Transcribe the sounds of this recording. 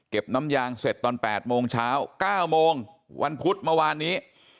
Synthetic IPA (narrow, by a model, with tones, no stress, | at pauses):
ke˨˩p̚na˦˥mjaː˧ŋse˨˩t̪ːɔː˧npɛː˨˩t̪̚moː˧ŋt͡ɕʰaː˦˥wkaː˥˩wmoː˧ŋ | wʔa˧npʰu˦˥t̪̚mə˧waː˧nːiː˦˥